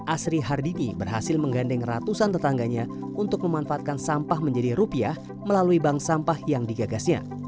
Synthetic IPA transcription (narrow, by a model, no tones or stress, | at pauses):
ʔasɾiɦardinibərɦasɪlməŋɡandɛŋrat̪usant̪ət̪aŋɡaɲa | unt̪ʊk̚məmanfaat̪̚kansampahməɲd͡ʒadiɾupiah | məlaluibaŋsampahjaŋdiɡaɡasɲa̰